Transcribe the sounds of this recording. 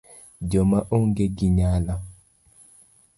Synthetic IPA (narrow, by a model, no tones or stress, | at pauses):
d͡ʒɔmaʔoŋɡeɡiɲala